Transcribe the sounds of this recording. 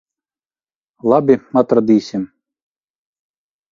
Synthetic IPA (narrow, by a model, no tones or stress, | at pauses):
lˠɑbʲimat̪ɾɐd̪isʲɪm